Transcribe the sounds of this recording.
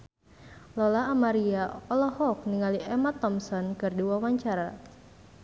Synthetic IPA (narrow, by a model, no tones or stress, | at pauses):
lɔlaːmaɾiaɔlɔhɔk̚niŋaliʔɛmat̪ɔmsɔnkɨrdiwawaɲt͡ʃaɾa